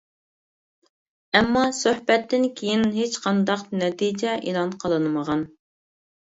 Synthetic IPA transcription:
ɛmːɑsøhbɛt̪ʰːɪnkʲʰejinɦet͡ʃqʰɑnd̪ɑqnɛt̪ʰid͡ʒɛʔilˠɑnqʰəlˠɨnɨməʁɑn

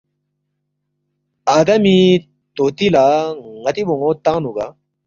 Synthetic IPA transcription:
aːd̪ɐmi | t̪oːt̪ilaŋɐt̪iboŋot̪ãːnuɡa

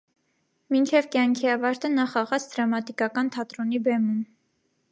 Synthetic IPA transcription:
mint͡ʃʰɛvkjɑŋkʰiɑvɑɾt̪ənɑχɑʁɑt͡sʰd̪̥ɾɑmɑt̪ikɑkɑnt̪ʰɑt̪ɾɔnibɛmum

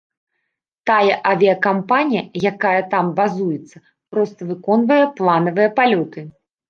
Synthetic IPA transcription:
t̪ajɐʔɐvʲiɐkampanʲijɐjakajɐt̪ambazujɛt̪sːɐ | pɾɔst̪ɐvɨkɔnvɐjɛplˠanɐvɨjɐpalʲɔt̪ɨ

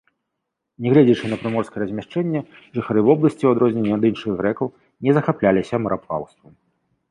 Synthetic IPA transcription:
nʲɛɣlʲɛd͡zʲit͡ʂɨnɐpɾɨmɔrskɐjɛɾɐzʲmʲaʂt͡ʂɛnʲːɛ | ʐɨxaɾɨvɔblˠɐsʲt͡sʲiwad̪ɾɔzʲnʲɛnʲːɛad̪ɨnʂɨɣɣɾɛkɐw | nʲɛzɐxaplʲalʲisʲɐmɐɾapa̰wst̪vɐm

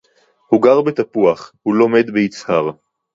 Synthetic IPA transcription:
huɡaʁbet̪apuaχhulo̞me̞d̪beit͡shaʁ

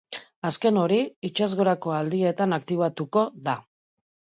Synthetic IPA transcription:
aske̞no̞ɾiit͡ʃazɣo̞ɾako̞ald̪ie̞t̪anakt̪iβ̞at̪uko̞ða

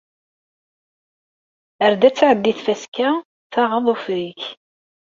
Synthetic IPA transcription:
əɾd̪æt͡sːaʕəlːiθfæskæ | θɑʁɑðˤofɾiç

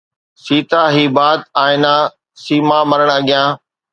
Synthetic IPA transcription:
siːt̪aːɦiːbaːd̪̚aːɪnaː | siːmaːməɾəɽ̃ɐɠɪjãː

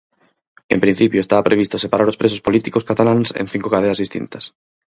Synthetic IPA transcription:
empɾin̟θipjoest̪aβapɾeβist̪osepaɾaɾospɾesospolit̪ikoskat̪alansḛ̃n̟θiŋkokað̞eazðist̪ḭnt̪as

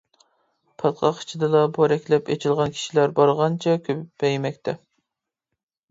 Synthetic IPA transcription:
pʰɑt̪qʰɑqʰi̥t͡ʃʰid̪ɨd̪ɑboɾɛkʲlɛpet͡ʃʰilˠʁɑnkʲʰi̥ʃilæɾbɑɾʁɑnt͡ʃʰɛkʲʰøpbɛjmɛkʲt̪ʰɛ

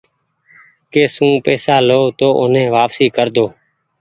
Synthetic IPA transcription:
keːsũːpeːsaːloːt̪oːʔʊnẽːʋaːpsiːkəɾd̪oː

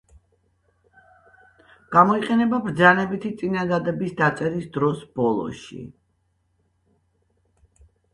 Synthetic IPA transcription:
ɡ̥amɔiqʼɛnɛbabɾd̪zanɛbit̪ʰit̪sʼinad̪ad̪ɛbisd̪at̪sʼɛɾisd̪ɾɔsb̥ɔlˠɔ̰ʃḭ

